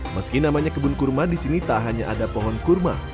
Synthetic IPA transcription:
məskinamaɲakəbʊnkurmadisinit̪aɦaɲaʔadapɔɦɔnkurma̰

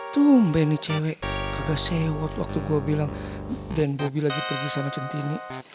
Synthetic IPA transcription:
t̪umbɛnit͡ʃɛwɛʔkaɡasɛwɔt̪̚wa̰k̚t̪uɡuabilaŋ | dɛnbobilaɡipərɡisamat͡ʃənt̪ini

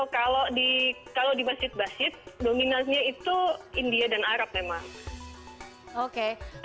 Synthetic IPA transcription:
kalodikalodimasd͡ʒɪt̪̚basɪt̪̚dominasɲait̪uindiadanaɾap̚memaŋ | oke

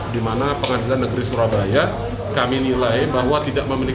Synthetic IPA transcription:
dimanapəŋadilanːəɡəɾisuɾabaja | kaminilajbaɦwat̪idaʔməmili

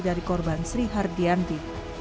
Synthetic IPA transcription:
daɾikɔrbansɾiɦardiant̪i

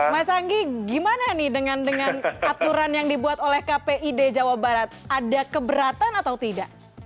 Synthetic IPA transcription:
masaŋɡiɡimananɪhdəŋandəŋanat̪uɾanjaŋdibuat̪olɛhkapeʔided͡ʒawabaɾat̪̚adakəbəɾat̪anat̪awt̪idaʔ

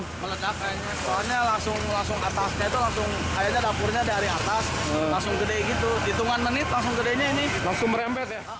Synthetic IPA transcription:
mələdaka | asoaɲalaŋsʊŋlaŋsʊŋat̪asɲait̪ulaŋsʊŋ | ajaɲadapʊrɲadaaɾiat̪aslaŋsʊŋɡədɛɡit̪udit̪uŋanmənɪt̪̚laŋsʊŋɡədeɲainɪlaŋsʊŋməɾɛmpɛt̪̚ja

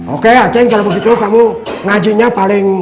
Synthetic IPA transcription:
okeat͡ʃɛŋkalabuk̬it̪ukamu | ŋad͡ʒiɲapalɪŋ

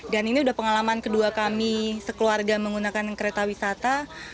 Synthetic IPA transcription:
daniniudahpəŋalamankəduakamisəkəluarɡaməŋɡunakankəɾet̪awisat̪a

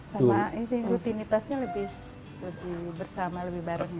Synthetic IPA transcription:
samasəŋɾut̪init̪asɲaləbɪh | ləbɪhbərsamaləbɪhbaɾaŋɲa

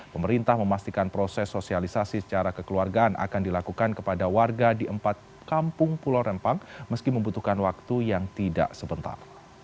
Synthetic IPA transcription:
pəməɾint̪ahməmast̪ikanpɾosɛsːosialisasisə̥t͡ʃaɾakəkəluarɡaʔanʔa̰kandilakukankəpadawarɡadiʔəmpat̪̚ | kampʊŋpulaɾɛmpaŋməskiməmbut̪uhkanwak̚t̪ujaŋt̪ida̰ʔsəbənt̪a̰r

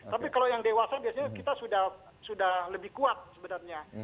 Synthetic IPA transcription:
t̪apikalojaŋdewasabiasaɲakit̪asudah | sudahləbɪhkuat̪̚səbənərɲa

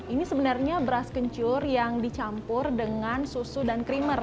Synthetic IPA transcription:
inisəbənarɲabəɾaskəɲt͡ʃʊrjaŋdit͡ʃampʊrdəŋansusudankɾimər

